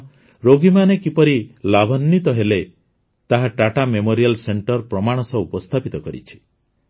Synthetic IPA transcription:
ɾoɡimanekipɔɾilabʱɔnːit̪ɔɦele | t̪aɦaʈaʈamemoɾijalseɳʈɔɾpɾɔmaɽ̃ɔsɔupɔst̪ʰapit̪ɔkɔɾḭt͡ʃʰi̥

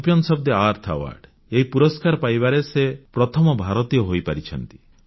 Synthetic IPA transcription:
pjɔnsɔb̚d̪eaɾt̪ʰa̰wa̰ɾɖ | eɦipuɾɔskaɾpajbaɾesepɾɔt̪ʰɔmɔbʱaɾɔt̪ijɔɦojpaɾit͡ʃʰɔnt̪i̥

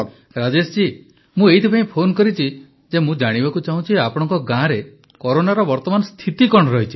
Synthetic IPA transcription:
ɾad͡ʒesd͡ʒi | mũeɦit̪ʰipʰaĩpʰonkɔɾit͡ʃʰi | d͡ʒemũd͡ʒaɽ̃ibakut͡ʃaɦũt͡ʃʰiapɔɽ̃ɔ̃ŋkɔɡãɾe | kɔɾonaɾɔbɔɾt̪ɔmanɔst̪ʰit̪ikɔɽ̃ɔɾɔɦit͡ʃʰi

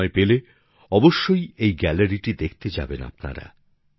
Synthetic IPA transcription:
epele | ɔboʃːojejɡɛlaɾiʈid̪ekʰt̪ed͡ʑa̰bena̰pna̰ɾa̰

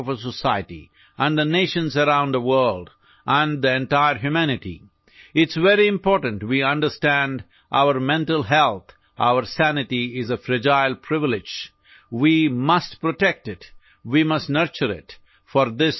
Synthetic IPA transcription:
ɔvəsəsaɪətḭ | ʔæ̃nðəneɪʃə̃nzəɾãʊ̃nðəwɜ˞ld | ʔə̃nd̪iɛ̃ntaɪəɾɦjumænɪʈḭ | ɪtsʋɛɾiɪ̃mpɔɾʈə̃n̩twiʌ̃nɖə˞stæ̃nd | ʔa̰ʊəɾmɛ̃ntəlˠɦɛlˠt̪ | ʔa̰ʊəɾsænɪtiɪzəfɾɪd͡ʒaɪlˠpʰɾɪvɪlɪd͡ʒ | wimʌstpɹoʈɛk̚tɪt | wimʌstnəɾt͡ʃəɾɪ̰t | fɔɾðɪs

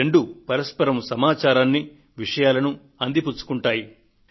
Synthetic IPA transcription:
eɳɖupɐɾɐspɐɾɐmsɐmaːt͡ʃaːɾaːnːi | ʋiʂɐjaːlɐnu | ɐnd̪iput͡ʃːu̥kuɳʈaːji

